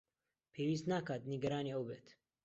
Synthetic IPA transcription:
pʰeːwiːs̬t̪naːkaːt̪niɡɐɾaːniəwbeːt̪

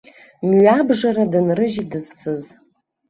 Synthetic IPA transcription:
mɥabʐaɾadɨnrɨʒidɨzt͡sʰɨz

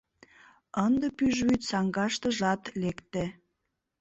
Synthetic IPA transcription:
ənd̪ə̆pyʒβyt̪sɑŋɡɑʃt̪ə̆ʒɑt̪lekt̪ĕ

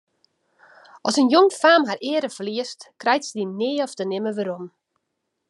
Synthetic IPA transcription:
ʔɔsənjoŋfaːmɦarɪːəɾəfəliəstkrɛjtsədinɪːɔftənɪməʋəɾom

